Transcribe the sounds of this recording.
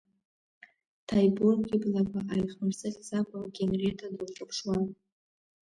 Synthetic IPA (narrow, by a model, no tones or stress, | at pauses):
tʰajburɡʲɪblakʷʼaʔajχmɨrsɨχʲzakʷʼaɡʲenretʰadɨlʈ͡ʂʼɨpʰʂwan